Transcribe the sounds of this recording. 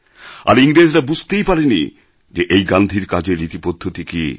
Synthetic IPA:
a̰ɾiŋɾed͡ʑɾabud͡ʑʱt̪ejpaɾenḭ | d͡ʑeʔejɡand̪ʱiɾkad͡ʑeɾːit̪ipod̪ʱːot̪ikḭ

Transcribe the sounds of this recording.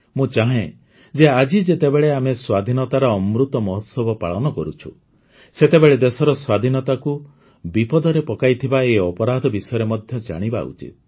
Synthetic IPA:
mũt͡ʃaɦẽ | d͡ʒead͡ʒid͡ʒet̪ebeɭeameswad̪ʱinɔt̪aɾɔːmɾut̪ɔmɔɦɔt̪sɔbɔpaɭɔnɔkɔɾut͡ʃʰṵ | set̪ebeɭed̪esɔɾɔswad̪ʱinɔt̪aku | bipɔd̪ɔɾepɔkajt̪ʰibaeɔpɔɾad̪ʱɔbisɔjɔɾemɔd̪ʱjɔd͡ʒa̰ɽ̃iba̰ṵt͡ʃḭt̪̚

